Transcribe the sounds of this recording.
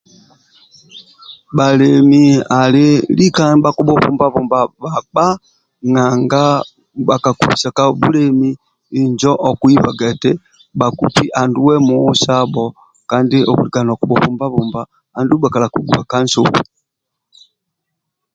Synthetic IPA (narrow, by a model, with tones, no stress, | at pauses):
ba˨lɛmiali˦li˦kaba˦ku˦bɔfumbaβu˨mbaβak͡pa˦ | ŋaŋɡa˦ | ba˨ka˨kṵ˨sa˨kaβulɛmi˦ | i˨ɲd͡ʒɔʔɔkuiβa˨ɡɛtɛ | ba˨kupi˦ʔa˨ndu˦wɛ˦muːsabɔ | ka˦ndiʔɔ˨kuliɡa˨nɔ˨ku˨bɔ˨fumba˦βumbaː˨ | nduba˨ka˨la˨ku˨ɡua̰˨ka˦nsupu